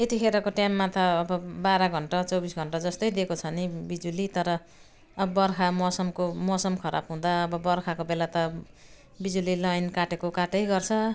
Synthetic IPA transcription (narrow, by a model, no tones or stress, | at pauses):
et̪ikʰeɾʌkoʈjamːat̪ʌːbʌbaɾʌɡʱʌɳʈʌt͡sʌwbisɡʱʌɳʈad͡zʌst̪ʌjd̪ekot͡sʰʌnibid͡zulit̪ʌɾʌː | bʌbʌrkʰamɔsʌmkomʌsʌmkʰʌɾa̰bɦũd̪aʌbʌbʌrkʰakobelat̪ʌ | bid͡zulilʌjnkaʈekokaʈʌjɡʌrt͡sʰʌ